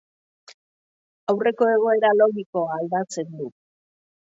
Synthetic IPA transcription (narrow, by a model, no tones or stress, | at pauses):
awre̞ko̞e̞ɣ̞o̞e̞ɾalo̞ɣiko̞aːld̪at͡se̞nd̪u